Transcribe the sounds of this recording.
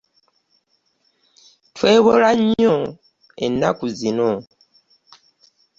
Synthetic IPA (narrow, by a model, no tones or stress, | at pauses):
twe̞ːβolaɲːo | e̞̰nːa̰kuzino